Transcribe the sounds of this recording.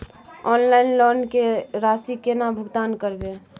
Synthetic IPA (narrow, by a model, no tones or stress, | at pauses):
ɔnlaɪinlonkeɾasikenabʱʊɡt̪ankəɾbe